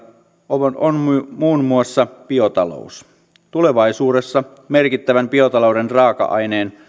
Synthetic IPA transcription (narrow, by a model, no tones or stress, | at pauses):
ʔoʔonmuːnmuɑsːɑpio̞t̪ɑlo̰us | t̪ule̞ʋɑjsuːde̞sːɑ | me̞rkit̪ːæʋæmpio̞t̪ɑlowde̞nrɑːkɑ̰ʔɑ̰jneːn